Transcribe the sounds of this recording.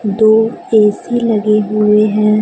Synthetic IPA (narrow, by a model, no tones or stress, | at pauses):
d̪oːeːsilɐɡeɦʊeɦɛ̃ː